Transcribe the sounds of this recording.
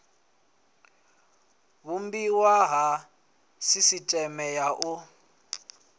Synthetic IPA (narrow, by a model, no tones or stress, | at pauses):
βumbiwaɦa | sisitʼɛmɛjaʔu